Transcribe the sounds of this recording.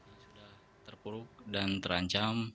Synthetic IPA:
asudah | t̪ərpuɾʊk̚dant̪əɾaɲt͡ʃam

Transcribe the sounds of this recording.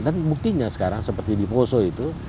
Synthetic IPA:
danbuk̚t̪iɲasə̥kaɾaŋsəpərt̪idiposoit̪u

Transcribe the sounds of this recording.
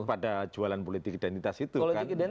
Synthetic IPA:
padad͡ʒualanpolit̪ɪkidɛnt̪it̪asit̪uolikankidɛ

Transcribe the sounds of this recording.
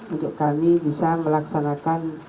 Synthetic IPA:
unt̪ʊkːamibisaməlaksanakan

